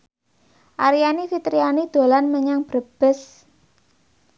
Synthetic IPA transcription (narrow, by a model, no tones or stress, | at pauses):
ʔaɾijanifit̪ɾianid̪̥o̤lanməɲaŋb̥ɾəb̥ə̤s